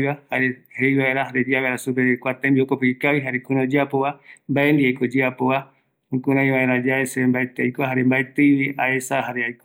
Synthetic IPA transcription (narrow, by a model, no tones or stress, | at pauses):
ahaɾehejβaeɾaɾed͡ʒaβeɾasupeekʷat̪ẽmbiokopɨikawiɦaɾekũɾod͡ʒɨapoβambaʔend̪iajkod͡ʒɨapoβa | kũɾãj̃βaẽɾãd͡ʒaesembaet̪eajkoaɦaɾembaet̪ɨjβiaesaɦaɾeajko